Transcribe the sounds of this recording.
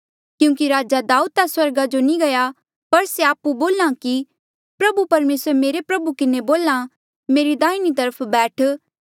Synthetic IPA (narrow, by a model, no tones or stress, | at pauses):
kjũːkiɾaːd͡ʒad̪aːud̪̚aswɐɾɡad͡ʒonĩɡɐja | pɐɾseaːpuboːlãki | pɾɐbupɐɾmeːsɾmeːɾepɾɐbukɪneboːlã | meːɾid̪aːinit̪ɐɾəpʰbɛːʈʰ